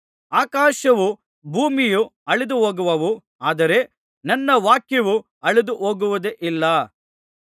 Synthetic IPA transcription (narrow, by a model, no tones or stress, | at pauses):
aːkaːʃɐʋu | bʱuːmijuɐɭid̪uɦoːɡuʋɐʋu | aːd̪ɐɾe̞ | nɐnːɐʋaːkjɐʋu | ɐɭid̪uɦoːɡuʋɐd̪eʔilːɐ